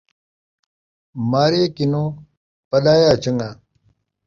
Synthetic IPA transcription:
maːɾeːkinoː | pɐɗaːjaːt͡ɕɐŋɡaː

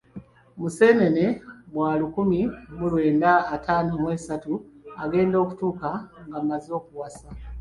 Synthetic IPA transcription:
muse̞ːnenemwaːlukumimulwe̞ːndaːtʰaːnomwesatuaɡe̞ːndo̞ːku̥tuːkaŋɡamazio̞ːkuwasa

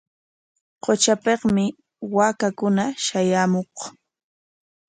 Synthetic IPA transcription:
qot͡ʃapeqmɪ | waːkakʊnaʃajaːmoq

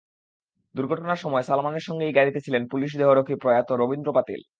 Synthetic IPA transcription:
d̪uɾɡʱɔʈonaɾʃɔmɔesalmaneɾʃɔŋɡejɡaɾit̪et͡ɕʰilenpuliʃd̪eɦoɾokʰipɾɔjat̪oɾobind̪ɾopat̪ḭl

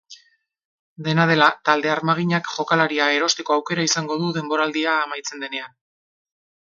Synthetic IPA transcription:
d̪e̞nað̞e̞lat̪ald̪e̞aɾmaɣ̞iɲakʝo̞kalaɾiae̞ɾo̞st̪iko̞awke̞ɾaisaŋɡo̞ðuðe̞mbo̞ɾald̪iaːmajt͡se̞nd̪e̞ne̞an

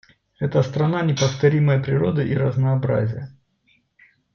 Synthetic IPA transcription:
ɛt̪əst̪ɾɐnanʲɪpəft̪ɐɾʲiməjəpɾʲɪɾo̞d̪ɨʔiɾəznɐːbɾa̰zʲɪjə

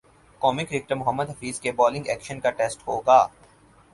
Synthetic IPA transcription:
kɔːmɪkɾɪk̚ʈəɾmʊɦəmːəd̪ɦɐfiːzkebɔːlɪ̃ŋɡɛːkʃənkaʈeːsʈɦoːɡaː

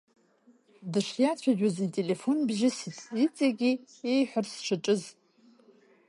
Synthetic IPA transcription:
dɨʂjat͡ɕʷʰaʒᶣazitʼe̞le̞fo̞nbʒɪsit͡sʼit͡sʼaɡʲi | ejħʷʊrsʂʰɨʈ͡ʂʼɨz

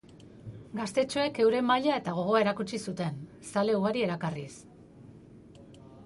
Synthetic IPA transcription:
ɡast̪e̞t͡ʃoe̞ke̞wɾe̞maʎae̞t̪aɣ̞o̞ɣ̞o̞ae̞ɾakut͡ʃisut̪e̞n | sale̞uɣaɾie̞ɾakaris

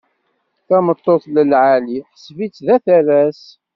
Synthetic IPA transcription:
θæmət̪ˤːoθləlʕaliħsvit͡sːðæθæɾæs

